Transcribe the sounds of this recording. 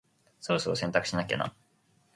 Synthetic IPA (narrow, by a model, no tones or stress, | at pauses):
soːsoːsẽnt̪akɯ̟̥ɕinakʲḛnã̰